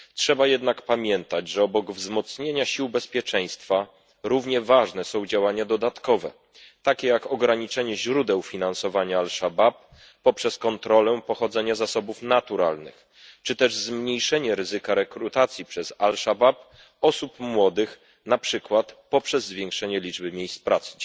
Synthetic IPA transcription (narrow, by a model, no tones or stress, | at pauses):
tʂɛbajɛd̪nakpamʲjɛnt̪ad͡ʑʐɛɔbɔɡvzmɔt̪sɲeɲaɕiwbɛspʲjɛt͡ʂɛj̃st̪fa | ɾuvɲɛvaʐnɛsɔ̃w̃d͡ʑawaɲad̪ɔd̪at̪kɔvɛ̰ | t̪akʲɛjakɔɡɾaɲit͡ʂɛɲɛʑɾud̪ɛwfʲinansɔvaɲaːlʂabap̚ː | ɔpʂɛskɔnt̪ɾɔlɛpɔxɔd̪zɛɲazasɔbufnat̪uɾa̰lnɘ̰x | t͡ʂɘt̪ɛʐzmɲejʂɛɲɛɾɘzɘkaɾɛkɾut̪at̪sʲjipʂɛzalʂabap̚ | ɔsupmwɔd̪ɘx | napʂɘkwat̪pɔpʂɛzːvʲjɛ̃ŋkʂɛɲɛlʲid͡ʐbɘmʲjejspɾat̪sɘ̥